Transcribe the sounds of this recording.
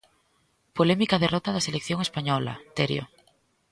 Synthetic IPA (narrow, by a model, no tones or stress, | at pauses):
polɛmikaðerɔt̪ɐðɐselekθjoŋespaɲɔlɐ̰t̪eɾj̰o̰